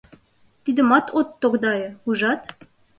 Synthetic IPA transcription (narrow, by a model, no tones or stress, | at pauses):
t̪id̪ə̆mɑt̪ʰot̪ːokd̪ɑjĕuʒɑt̪